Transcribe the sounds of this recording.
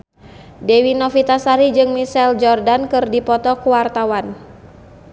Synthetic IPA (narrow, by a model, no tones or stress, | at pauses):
dewinɔfit̪asaɾid͡ʒɨŋmisɛld͡ʒɔrdankɨrdipɔt̪ɔkuwart̪awan